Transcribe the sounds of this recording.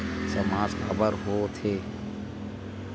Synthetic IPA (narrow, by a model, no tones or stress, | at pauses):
səmaːsxɐbəɾɦoːt̪ʰeː